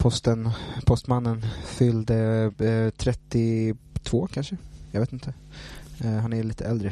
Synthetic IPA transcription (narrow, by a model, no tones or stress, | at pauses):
pʰɔst̪ənpʰɔst̪manːənfʏld̪ə | t̪ʰɾɛt̪ːɪt̪ʰvoːkʰanʂəjɑveːt̪ɪnt̪ʰə | ɦanæɭiːt̪ʰəɛld̪ɾə